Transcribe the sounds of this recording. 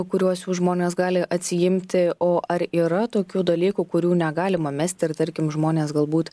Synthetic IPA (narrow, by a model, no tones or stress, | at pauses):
kʊɾʲuɔsjuːsʒmoːnʲeːsɡɑːlʲɪʔɐt̪ʲsʲɪjɪmʲt̪ʲɪoːʔɐɾiːɾɐt̪oːkʲuːd̪ɐlʲiːkʊkʊɾʲuːnʲɛɡɑːlʲɪmɐmʲɛsʲt̪ʲɪɾt̪ɐɾʲkʲɪmʒmoːnʲeːsɡɐlˠbuːt̪